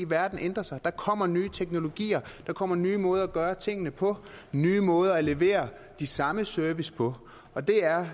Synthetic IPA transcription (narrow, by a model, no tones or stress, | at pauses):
iʋæɐd̥n̩end̥ʁɐsɑ̈ɪd̥ɑ̈kʰɒ̽m̰ɐnyːt͡sʰeɡ̥no̝lo̝ɡ̥ḭːɐd̥ɑ̈kʰɒ̽m̰ɐnyːmɔ̽ːð̞ˠæɡ̥ɶːɐt͡sʰe̝ŋ̰ənəpʰɒ̽nyːmɔ̽ːð̞ˠɐæle̝ʋe̝̰ːɐ | d̥isɑ̈məsøɐʋispʰɒ̽ | ɒ̽d̥e̝æɐ